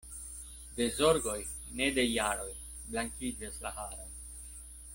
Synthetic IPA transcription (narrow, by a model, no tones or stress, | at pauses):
de̞zo̞ɾɡo̞j | ne̞de̞jaɾo̞j | blaŋkid͡ʒaslahaɾon